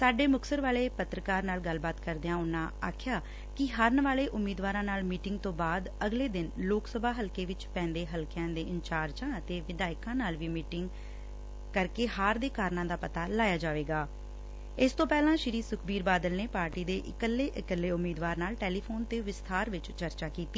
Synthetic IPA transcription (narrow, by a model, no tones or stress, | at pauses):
saːɖeːmʊksəɾʋaːleːpət̪ɾəkaːɾnaːlɡəlbaːt̪kəɾd̪eãːʊnːãːa̰ːkʰjaː | kɪɦəɾnəʋaːleːʔʊmːiːd̪ʋaːɾãːnaːlmiːʈɪŋɡ̚t̪õːbaːd̪əɡleːd̪ɪnloːksəbʱaːɦəlkeːʋɪt͡ʃpɛ̃ːnd̪eːɦəlkɪjãːd̪eːɪnt͡ʃaːɾd͡ʒãːət̪eːʋɪd̪aːɪkãːnaːlʋiːmiːʈɪŋɡ | kəɾkeːhaːɾd̪eːkaːɾnãːd̪aːpət̪aːlaːjaːd͡ʒaːʋeːɡaː | ɪst̪õːpɛːlãːʃɪɾiːsʊkʰbiːɾbaːd̪əlneːpaːɾʈiːd̪eːʔɪkəlːeːʔɪkəlːeːʊmːiːd̪ʋaːɾnaːlʈeːliːpʰoːnt̪eːʋɪst̪ʰaːɾʋɪt͡ʃt͡ʃəɾt͡ʃaːkiːt̪iː